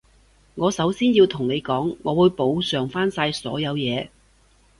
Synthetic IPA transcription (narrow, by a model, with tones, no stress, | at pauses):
ŋɔː˨˧sɐ˨˥wsiː˥njiː˧wt̪ʰʊ˨˩ŋne˨˧jkɔː˨˥ŋːɔː˨˧wuː˨˧jpo˨˧wsœː˨˩ŋfaː˥nsaː˧jsɔ̰ː˨˥jɐ˨˧wjɛː˨˧